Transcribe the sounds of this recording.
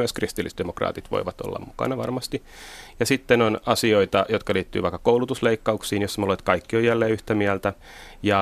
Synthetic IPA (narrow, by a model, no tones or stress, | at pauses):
yæskrist̪ilːḭst̪d̥̪emokrɑ̰ːt̪it̪ʋo̰iʋɑt̪o̰lːɑ̰mmukɑ̰nɑʋɑ̰rmɑst̪i | jɑsit̪ːenonɑsioit̪ɑjot̪kɑliːt̪ːy̰ːʋɑikːɑ̥koulut̪usleikːɑuksiːnjosːmlet̪kɑikːiojælːeːyht̪æmiælt̪æ | jɑ